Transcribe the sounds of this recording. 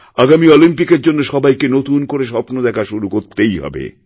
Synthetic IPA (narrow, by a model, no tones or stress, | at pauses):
aɡamiɔlimpikeɾd͡ʑonːoʃɔbajkenot̪unkoɾeʃɔpnod̪ɛkʰaʃuɾukoɾt̪ejɦɔ̰bḛ